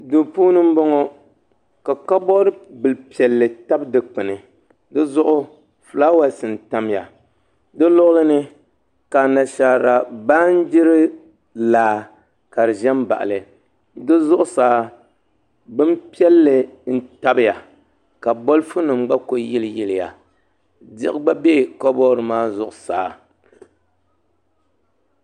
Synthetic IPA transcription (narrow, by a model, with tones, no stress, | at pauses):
do˨puː˦nɨ˦m˦bɔ˦ŋɔ˦ | ka˨ka˦bɔ˦ɾɨ˦bɨ˨lpi˨ɛ˨lːɨ˨ta˦bdɨ˨k͡pɨ˨nɨ˨ | dɨ˦zʊ˦ʔʊ˦ | flaː˦wa˦sɨ˨n˨ta˦m˦ja̰˨ | dɨ˦lʊ˦ʔʊ˦lɨ˦nɨ˦ | ka˨na˨ʃa˨ɾa˨ba˦n˦d͡ʒɪ˦ɾɨ˦ | laː˨ | ka˨ɾɨ˨ʒɛ˦mba̰˨ʔa̰˨lɨ˨ | dɨ˦zʊ˦ʔʊ˦saː˨˦ | bɨ˦mpi˦ɛ˦lːɨ˨n̩˦ta˦bɨ˦ja˨ | ka˨bo˦lfu˦nɨ˨mɡ͡ba˦ko˦ji˦lɨ˨jɪ˦lɪ˨ja̰˨ | dɪ̰˦ʔba˦be˦˨kɔ˦bɔ˦ɾɨ˨maː˦zʊ˦ʔʊ˨sa̰ː˨˦